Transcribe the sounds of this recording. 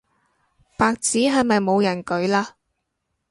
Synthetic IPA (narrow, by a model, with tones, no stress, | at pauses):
paː˨k̚t͡siː˨˥ɦɐ˨jmɐ˨jmo˨˧wjɐ˨˩nkɵ˨˥ɥlaː˧